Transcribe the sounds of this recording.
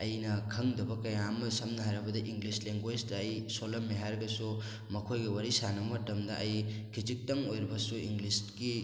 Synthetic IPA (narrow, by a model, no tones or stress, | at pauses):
ɐjnɐkʰɐŋdɐbɐkɐjamɐsɐmnɐɦaɾɐbɐdɐʔiŋɡlisleŋɡwesdɐːjsolɐmːeɦaɾɡɐsu | mɐkʰojɡɐwɐɾisanɐmɐtɐmdɐʔɐjkʰid͡ʒik̚tɐŋojɾibɐsuiŋɡlisɡi